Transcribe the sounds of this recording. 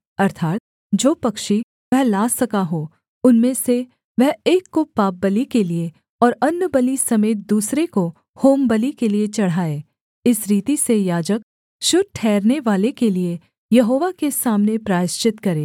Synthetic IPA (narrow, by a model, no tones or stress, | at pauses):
ɐɾt̪ʰaːt̪̚ | d͡ʒoːpɐkʃi | ʋɛɦlaːsɐkaɦo | ʊnmẽse | ʋɛɦeːkːopaːp̚bɐlikelie | ɔːɾɐnːəbəlisɐmeːt̪̚d̪uːsɾeko | hoːmbəlikeliet͡ʃɐɽ̤aːeː | ɪsɾiːt̪isejaːd͡ʒək | ʃʊd̪̚ʈʰɛːɾneʋaːlekelie | jɐɦoːʋakesaːmnepɾaːɪʃt͡ʃɪt̪kɐɾeː